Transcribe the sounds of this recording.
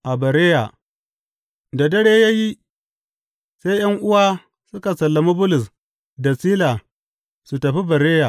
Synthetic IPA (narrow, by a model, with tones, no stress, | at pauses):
ʔa˨bɐ˨ɾeː˦ja˨ | da˨dɐ˦ɽeː˦ja˦ji˦ | se˦jjɐ˦ŋʔʊ˦waː˦ | sʊ˦ka˨sɐ˨lːa˨mu˦bʊ˦lʊ˨s | da˨siː˦la˨ | su˨tɐ˨ɸi˦bɐ˨ɾeː˦ja˨